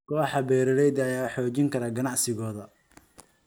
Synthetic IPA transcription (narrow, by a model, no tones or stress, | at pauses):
kʰɔːħɑbɛːɾɐlɛjd̪ɐjaːħɔːt͡ʃɪŋkʰɐɾɐɡɐnɑʕsɪɣɔːðɐ